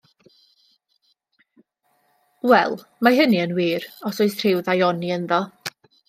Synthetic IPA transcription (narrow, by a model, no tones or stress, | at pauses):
wɛlˠ | maɦəniənwiːɾɔsoɨθʰr̥ɪwðajɔniənðɔ